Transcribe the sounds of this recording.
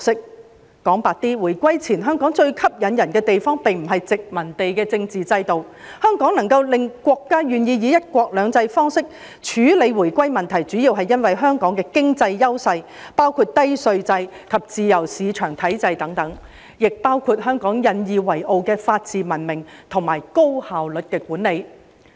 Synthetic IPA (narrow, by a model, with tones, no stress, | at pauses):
sɪ˥k̚ | kɔː˨˥ŋpaː˨˧t̚t̪iː˥wuː˨˩jkʷɐ˥jt͡sʰiː˨˩nɦœː˥ŋkɔː˨˥ŋt͡ʃɵ˧ɥkʰɐ˥p̚jɐ˨˧njɐ˨˩nkɛː˧t̪e˨jfɔː˥ŋpɪ˨ŋm̩˨˩ɦɐ˨jt͡sɪ˨k̚mɐ˨˩nt̪e˨jkɛː˧t͡sɪ˧ŋt͡siː˨t͡sɐ˧jt̪o˨w | hœː˥ŋkɔː˨˥ŋnɐ˨˩ŋkɐ˧wlɪ˨ŋkʷɔː˧kːaː˥jyː˨njiː˧jiː˨˧jɐ˥t̚kʷɔː˧k̚lœː˨˧ŋt͡sɐ˧jfɔː˥ŋsɪ˥k̚ | t͡ʃʰyː˨˥le˨˧jwuː˨˩jkʷɐ˥jmɐ˨nt̪ʰɐ˨˩jt͡syː˨˥ji˧wɦɐ˨jːɐ˥nwɐ˨jɦœː˥ŋkɔː˨˥ŋkɛː˧kɪ˥ŋt͡sɐ˧jːɐ˥wsɐ˧j | paː˥wkʰuː˧t̚t̪ɐ˥jsɵ˧ɥt͡sɐ˧jkʰɐ˨p̚t͡siː˨˧jɐ˨˩wsiː˨˧t͡ʃʰœː˨˩ŋt̪ʰɐ˨˥jt͡sɐ˧jt̪ɐ˨˥ŋt̪ɐ˨˥ŋ | jɪ˨k̚paː˥wkʰuː˧t̚ɦœː˥ŋkɔː˨˥ŋjɐ˨˧njiː˨˧wɐ˨˩jo˨˧wkɛː˧faː˧t̚t͡siː˨mɐ˨˩nmɪ˨˩ŋt̪ʰʊ˨˩ŋmaː˨˩jko˥whaː˨wlɵ˨t̚kɛː˧kuː˨˥nle˨˧j